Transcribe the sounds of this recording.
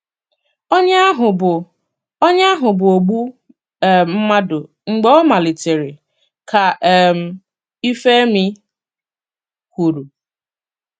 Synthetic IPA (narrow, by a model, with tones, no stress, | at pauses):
ɔ˦ɲa˦ɦʊ˨b | ɔ˦ɲa˦ɦʊ˨bʊ˨o˨ɡ͡bu˦˨ | m̩˦ma˦dʊ˨ | ŋ͡m̩˨ɡ͡be˦ɔ˦ma˨lɪ˨te˨ɾɪ˨ | kʰa˨m̩˨ | i˦fe˦mi˦ | kʷu˨ɾu˨